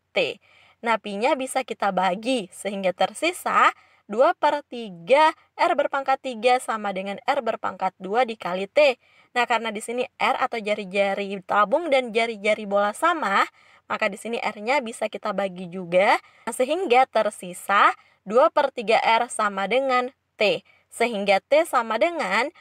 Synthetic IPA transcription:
t̪ḛ | napiɲabisakit̪abaɡisəɦiŋɡat̪ərsisa | duapərt̪iɡa | ʔɛrbərpaŋkat̪ːiɡasamadəŋanɛrbərpa̰ŋkat̪̚duadikalit̪e | nahkaɾənadisiniʔɛra̰t̪awd͡ʒaɾid͡ʒaɾit̪abʊŋdand͡ʒaɾid͡ʒaɾibolasamah | makadisiniʔɛrɲabisakit̪abaɡid͡ʒuɡa | səɦiŋɡat̪ərsisa | duapərt̪iɡaʔɛrsamadəŋan | t̪e | səɦiŋɡat̪esamadəŋan

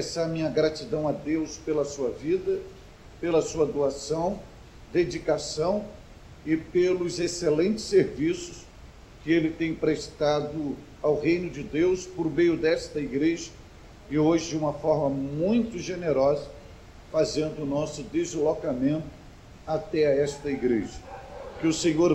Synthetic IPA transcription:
pesaɾmĩɲɐɡɾat͡ʃid̪ɐ̃w̃ɐd̪ewspelɐsuɐvid̪ɐ | pelɐsuɐd̪oasɐ̃w̃ | d̪ed͡ʒikasɐ̃w̃ | ɪpelʊzeselẽnt͡ʃɪ̥sːeɾvisʊs | kɪelɪt̪ẽj̃pɾest̪ad̪ʊ | awɦẽjnʊd͡ʒɪd̪ewspoɾmejʊd̪ɛst̪ɐiɡɾeʒɐ | ɪoʒɪd͡ʒɪũmɐfɔɾmɐmũj̃t̪ʊʒeneɾɔzɐ | fazẽnd̪ʊːnɔsʊd̪ezlokamẽnt̪ʊ̥ | at̪ɛɐɛst̪ɐiɡɾeʒɐkɪʊsẽɲoɾ

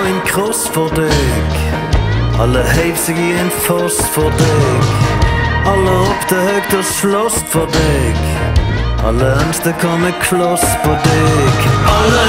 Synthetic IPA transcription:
ɛɪnkʰʁɔsfɔʁd̪eɡ̥ | ʔɑ̰ləheɪvsɪɡiɛɪnfɔsfɔʁd̪eːɡ | ɑləɔpt̪ʰəhœːk̚t̪əslɔsfɔʁd̪eɡ̥ | ʔɑ̰ləɛnst̪əkʰɑnəkʰlɔsfɔd̪eːɡ̥

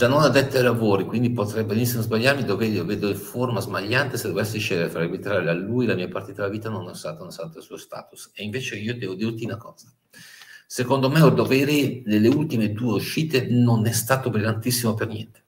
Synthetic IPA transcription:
d͡ʒanːonad̪ɛt̪ːajlavoːɾikwind̪ipot̪ɾɛbenisːimozbaʎːaɾmid̪oveːɾioveːd̪oiɱformazbaʎːant̪esed̪ːovɛsːiʃɛːd̪eɾefɾaibit̪ɾaːɾelealːuːjlamiːapart̪it̪aelːaviːt̪anonast̪a̰ːt̪aunasant̪asuːost̪a̰ːt̪u̥seiɱveːt͡ʃeiːod̪ɛːvod̪irt̪inakɔːz̥a | sekond̪omeod̪ovɛːɾinelːeult̪imed̪ueuʃːiːt̪enonɛst̪aːt̪obɾilant̪isːimopernjɛnt̪e̥

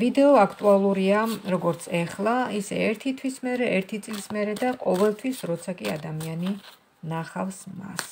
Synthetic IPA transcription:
vid̪ɛɔakʰt̪ʼualˠuɾiaɾɔɡɔɾt̪sʰɛχlˠaisɛ̰ɛɾt̪ʰit̪ʰwismɛɾɛɛɾt̪ʰit̪sʼlismɛɾɛd̪aqʼɔvɛlˠt̪ʰwisɾɔt̪sʰakʼia̰d̪amiani | naχafsma̰s

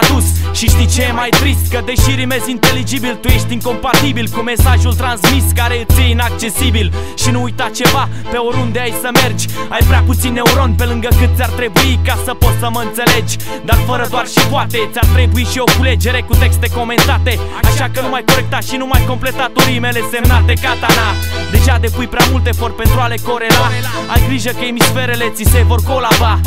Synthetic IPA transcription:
ad̪usʃiʃt̪it͡ʃejemajt̪ɾist̪̚kəd̪e̞ʃiɾime̞zint̪e̞lid͡ʒibilt̪uje̞ʃt̪ʲiŋko̞mpat̪ibilkume̞saʒult̪ɾansmiskaɾe̞ɨt̪sʲjeinak̚t͡ʃe̞sibilʃinuujt̪at͡ʃe̞vape̞oɾund̪e̞ajsəme̞rd͡ʒʲajvɾaput̪sinːe̞uɾo̞npe̞lɨŋɡəkɨt̪̚sʲart̪ɾe̞buikasəpo̞t̪səməɨnt̪se̞le̞d͡ʒʲ | d̪arfəɾəd̪oarʃipuat̪e̞t̪sʲart̪ɾe̞buiʃio̞kule̞d͡ʒe̞ɾe̞kut̪e̞kst̪e̞ko̞me̞nt̪at̪e̞ | aʃakənumajko̞ɾe̞k̚t̪aʃinumajko̞mple̞t̪at̪uɾime̞le̞semnat̪ekat̪ana | d̪e̞ʒad̪e̞pujpɾʲamult̪e̞fo̞rt̪̚pe̞nt̪ɾuale̞ko̞ɾe̞la | a̰jɡɾiʒəkəemisfe̞ɾele̞t̪sise̞vo̞rko̞lava

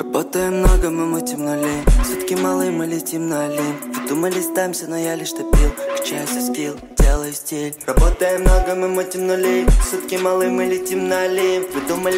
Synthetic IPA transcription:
rɐbot̪əjmnoɡəmɨmʊtʲɪmnʊlʲejsʲut̪kʲimalˠɨmɨlʲɪtʲimnɐɐlʲimvɨd̪uməlʲɪst̪amʲsʲənɔjalʲɪʂt̪opʲilˠkt͡ɕasʲɪsʲpʲilˠd̪ʲelˠəjsʲtʲelʲrɐbot̪əjəmnoɡəmɨmut̪ʲɪmnʊlʲejfsʲut̪kʲimalˠɨmɨlʲɪtʲimnɐɐlʲevɨd̪uməlʲ

